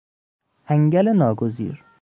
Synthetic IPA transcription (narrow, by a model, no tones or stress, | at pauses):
ʔæŋɟælenɒːɡozḭːɾ